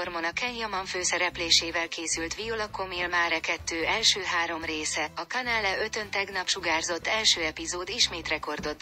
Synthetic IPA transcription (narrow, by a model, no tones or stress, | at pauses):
ormonɒkɛɲjɒmɒɱføːsɛɾɛpleːʃeːvɛlkeːsylt̪ʋiolokomilmaːɾɛkɛt̪ːøːɛlʃøːɦaːɾo̞mreːsɛɒkɒnɛlːɛø̞t̪ø̞nt̪ɛɡnɒpʃuɡaːrzo̞t̪ːɛlʃøːɛpizoːd̪iʃmeːt̪rɛko̞rd̪o̞t̪ː